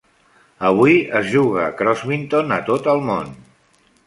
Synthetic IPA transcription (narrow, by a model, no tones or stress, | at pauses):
əβ̞uiəzʒuɣ̞əkɾɔzβint̪onət̪ot̪əlˠmon